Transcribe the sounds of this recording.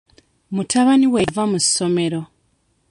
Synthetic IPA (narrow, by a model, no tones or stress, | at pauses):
mutʰaβaniwevamusːo̞me̞ɾo̞